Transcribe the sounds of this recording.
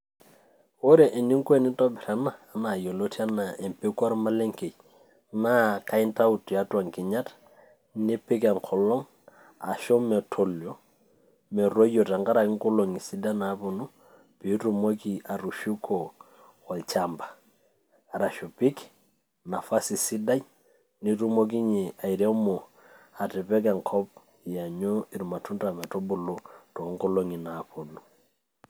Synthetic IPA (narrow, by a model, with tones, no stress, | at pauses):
ɔ˦ɾe˨ʔɛ˨ni˦ŋ˦kwɛ˨nɪ˦ntɔ˦bɪ˨ɾa˨naː˨na˨jo˨lo˦ti˦a˦na˨ʔɛ˨mpe˦kwa˦ɾma˦lɛ˦ŋke˨j | na˦ka˦ɪ˦nta˦u˨ti˨a˦twa˨ŋkɪ˨ɲa˦t | ne˦pe˦ka˨ŋ˨kʰɔ˨lɔ˦ŋ | a̰˨ʃɔ˦mɛ˨tʰɔ˨ljɔ˦ | mɛ˨ro˦jo˨ta˨ŋɡa˦ɾa˨kŋ̩˦kɔ˦lo˨ŋi˨si˦da˦na˨˦bu˨nu˦ | pi˨tu˨mo˦ki˨ʔa˨ɾu˨ʃu˦kɔ˨ | wa˨lt͡ʃa˨mbḁː˨ | ɾa˨ʃɔ˨pi˦k | na˨fa˦si˨si˦da˦j | ni˦tu˦mo˦k̬i˦ɲɛ˨ʔa˨i˨ɾɛ˦mɔ˨ | a˨tɛ˨pɛ˦k̬a˨ŋkʰɔ˦p̚ | ja˨ɲɔ˦i˨ɾma˨tu˦nta˨mɛ˨to˦bu˨lo˦tɔ˨˦ŋkɔ˦lo˦ŋi˨napo˨nu˨